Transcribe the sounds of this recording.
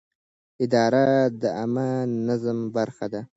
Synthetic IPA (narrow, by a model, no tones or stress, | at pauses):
ɪd̪ɑɾad̪əamanazmbaɾxad̪a